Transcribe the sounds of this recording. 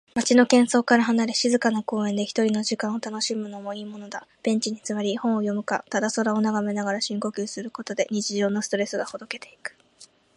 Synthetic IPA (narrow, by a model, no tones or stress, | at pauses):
mat͡ɕino̞kẽ̞ɰ̃so̞ːkaɾaɦanaɾe̞ɕizɨkanako̞ːẽ̞nd̪e̞çʲi̥t̪oɾʲino̞ʑikãɰ̃ot̪ano̞ɕimɯ̟no̞mo̞iːmo̞no̞d̪ab̥ẽ̞ɲ̟t͡ɕiɲ̟it͡sɨβaɾʲihõ̞ɰ̃o̞jo̞mɯ̟ka̰t̪ad̪aso̞ɾaonaɡame̞naɡaɾaɕĩŋko̞kʲɨːsɨɾɯ̟ko̞t̪o̞d̪e̞ɲ̟it͡ɕiʑo̞ːno̞sɨ̥t̪o̞ɾe̞sɨɡaho̞d̪o̞ke̞t̪e̞ikɯ̟̥